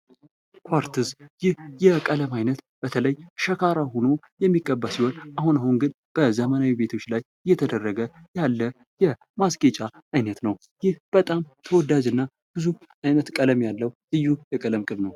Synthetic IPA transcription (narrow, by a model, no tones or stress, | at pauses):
kʰʷwaɾt̪ʰɨzjɪhjɛkʼələmajnət̪ | b̥ət̪ʰələjʃəkʰaɾaɦo̞no̞ | jɛmːiɡʼəbːasihonʔahunahunɡɨn | b̥əzəmənawibe̞t̪ʰo̞t͡ʃːlaj | ɨjːɛt̪ʰəd̪ərːəɡəjalːə | jɛ | maskʼet͡ʃʼa | ajnət̪nəw | jɪhb̥ət̪ʼamt̪ʰəwɔd̪ad͡ʒɨnːa | b̥ɨzu | ʔajnət̪kʼələmjalːəwhɨjːujɛkʼələmkʼɨβnəw